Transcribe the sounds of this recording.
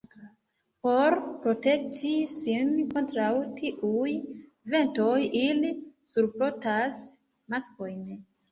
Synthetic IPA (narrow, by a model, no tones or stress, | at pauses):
po̞ɾpɾo̞te̞k̚tisinko̞ntɾawtʰiʔuj | ve̞nto̞jilisuɾpɾotas | masko̞jn